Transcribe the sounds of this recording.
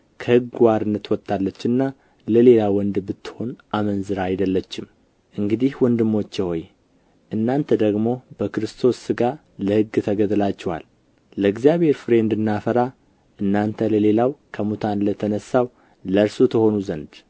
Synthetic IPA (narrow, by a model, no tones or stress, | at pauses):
kʰəhɨɡwaɾɨnːət̪wɔt̪ʰʼːalːət͡ʃːɨnːa | ləle̞lawɔnd̪bɨt̪ːɨ̥ho̞nʔamənzɨɾaajd̪əlːət͡ʃːɪm | ʔɨŋɡɨd̪ihwɔnd̪ɨmːo̞t͡ʃːjɛho̞j | ʔɨnːant̪ʰəd̪əɡmo̞bəkɨɾɨst̪ʰo̞sɨɡa | ləhɨɡːt̪ʰəɡəd̪lat͡ʃːɛha̰l | ləɨɡzijaβhe̞ɾfɨɾe̞ɨnd̪ɨnːafəɾa | ʔɨnːant̪ʰələle̞lawkʰəmut̪ʰanlət̪ʰənəsːaw | ləɾsot̪ʰəho̞nuzənd̪